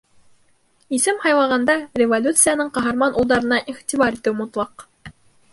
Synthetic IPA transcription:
isɘmhɑjlˠɑʁɑnd̪ɑrʲɪvolʲut̪sɨjanɤɴqɑɦɑɾmɑnulˠd̪ɑɾɤ̆nɑʔiʁt̪ʲiβɑɾit̪ɘwmut̪lˠɑq

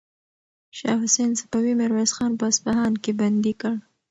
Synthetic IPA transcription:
ʃɑ̰ːhʊsensapawimɪɾwezxɑnpəaspaɦɑnkeband̪ikəɽ

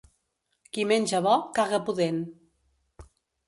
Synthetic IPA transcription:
kimenʲd͡ʒəβɔkaɣəpuðen

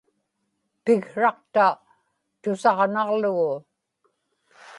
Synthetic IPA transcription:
pɪɣɻɑqt̪a | t̪ʊsɑʁnɑʁlʊɣʊ

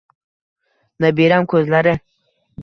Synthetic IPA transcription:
nabiɾamkozlaɾe

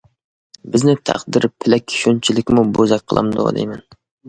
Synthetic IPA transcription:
bɪznɪt̪ʰæ̰qd̪ɪɾpʰːɪlɛkʲʰːi̥ʃynt͡ʃʰilɪkʲmubozɛk̚ʲqʰəlˠɑ̰md̪o̰ɑ̰d̪ɛ̰jmɛn

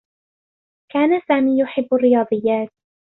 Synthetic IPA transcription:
kaːnasaːmiːjʊħɪbːarːɪjɑːd̪ˤɨjːaːt̪̚

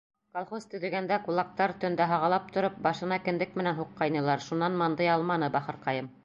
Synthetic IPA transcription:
kolˠχost̪ɵ̆ðɘ̆ɡænd̪ækulˠɑk̚t̪ɑɾt̪ɵ̆nd̪æɦɑʁɑlˠɑp̚t̪ŏɾɤp̚bɑʃɤ̆nɑkɘ̆nd̪ɘk̚mɘ̆nænɦuqːɑjnɤ̆lˠɑɾʃunːɑnmɑnd̪ɤjɑlˠmɑnɤbɑχɤɾqɑjɤm

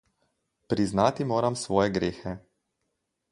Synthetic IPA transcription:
pɾiznaːt̪imoːɾamsʋɔːjɛɡɾeːxɛ

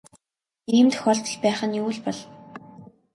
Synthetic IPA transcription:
iːmt̪ʰɵ̥xɔːɮt̪ɞ̆ɮpæːχə̆njuːɮpɔɮ

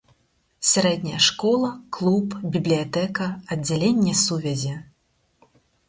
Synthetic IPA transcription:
sʲaɾɛd̪ʲnʲɐjɐʂkɔlˠɐklˠupbʲiblʲijat̪ɛkɐɐdd͡zʲːalʲenʲːɛsuvʲɛzʲi

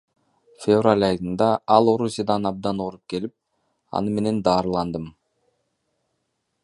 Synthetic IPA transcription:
fʲevralʲɑjd̪ɯnd̪ɑɑlˠo̞ɾusʲijad̪ɑnɑb̚d̪ɑnoɾup̚ke̞lip̚ | ɑ̰nɯme̞ne̞nd̪ɑːɾɯlˠɑnd̪ɯm

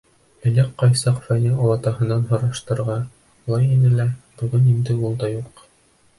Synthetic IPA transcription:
ɘ̆næqqːɑjsɑqfænæɒlˠɑt̪ɑɦɤ̆nːɑnɦɤ̆ɾɑʃt̪ɤ̆ɾʁɑ | ulˠɑjinɘlæbɵ̆ɡɘnind̪ɘulˠd̪ɑjuq

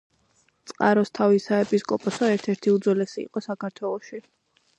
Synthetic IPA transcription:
t̪sʼqʼaɾɔst̪ʰavisaɛpʼiskʼɔpʼɔsɔɛɾt̪ʰɛɾt̪ʰiud̪zɔlɛsḭːqʼɔsakʰaɾt̪ʰwɛlˠɔʃi

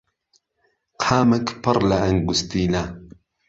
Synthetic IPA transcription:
qʰaːmakpɑɾˤlaʔaŋɡʊst̪iːla

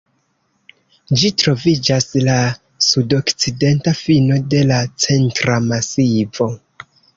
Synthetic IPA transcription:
d͡ʒitɾo̞vid͡ʒasla | sudo̞kt͡side̞ntafino̞de̞lat͡se̞ntɾamasivo̞

